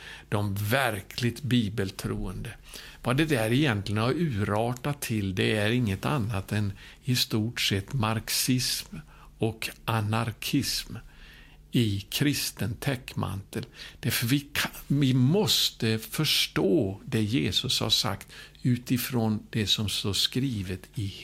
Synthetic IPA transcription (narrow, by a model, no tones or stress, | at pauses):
d̪̥ɔmvæɾkʰlɪɡ̚t̪biːbəlt̪ʰɾṵːənd̪ə | vad̪ɛd̪æɾɪjɛnt̪lɪɡənaɾʉ̟ːɾɑːʈat̪ʰːɪld̪ɛæɾɪŋːət̪a̰nːat̪ɛn | ɪst̪uːʈsɛt̪ːmaɾksɪsm | ɔkʔanaɾkʰɪsm | ɪkʰɾɪst̪ənt̪ʰɛkːma̰nt̪əld̪̥æɾfœɾvɪkʰvɪmɔst̪əfœʂʈoːd̪ɛjeːsɵsha̰ʂa̰kt̪ | ʉ̟ːt̪ɪfɾoːnd̪̥ɛsɔmsoskɾiːvət̪ɪ